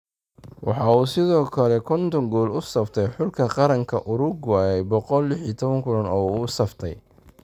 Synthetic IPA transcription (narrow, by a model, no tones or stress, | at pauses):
wɑ̰ħɑːuːsɪðɔːkʰɐlɛkʰɔnt̪ʰɔŋɡɔːlʊsɐft̪ʰɛjħʊlkʰɐqɑɾɐŋkʰɐ̰ʔʊɾʊɡwaːjɛjbɔqɔlːɪħit̪ʰɔβɐŋkʰʊlɐnɔːuːsɐft̪ʰɛj